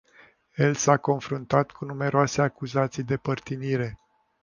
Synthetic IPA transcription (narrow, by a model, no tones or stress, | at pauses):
je̞lsako̞nfɾunt̪at̪kʰunume̞ɾoase̞akuzat̪sijd̪epərt̪iniɾe̞